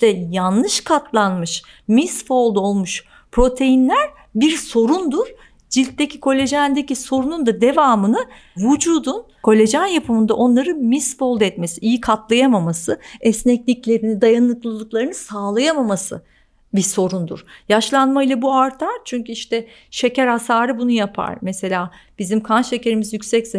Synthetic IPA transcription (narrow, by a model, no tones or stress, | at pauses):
t̪ɛjanlːˠɯʃkʰat̪ʰlˠanmɯʃ | misfo̞lˠd̪o̞lˠmuʃ | pʰɾo̞t̪ʰe̞jinlʲæɾ | biɾso̞ɾund̪uɾ̥ | d͡ʒilʲt̪ːecʰi̥kʰo̞lʲe̞ʒænd̪eciso̞ɾunund̪ad̪e̞vaːmɯnɯ | vud͡ʒuːd̪un | kʰo̞lʲe̞ʒanjapʰɯmɯnd̪aʔo̞nlˠaɾɯnmisfo̞lˠd̪ɛt̪me̞siʔijikʰat̪lˠajamamasɯɛsnɛcnʲicʲlʲe̞ɾinid̪ajanlˠɯk̪lˠɯlˠɯklˠaɾɯnɯsaːlˠajamamasɯ̰ | biso̞ɾund̪ṵɾ̥jaʃlˠanmailʲˠabuaɾt̪ʰaɾ̥t͡ʃʰyɲcyiʃt̪ɛ | ʃe̞cæɾhasaːɾɯbunujapʰa̰ɾ̥mese̞lʲaːb̥izimkʰanʃe̞ce̞ɾimizjycʲsɛcze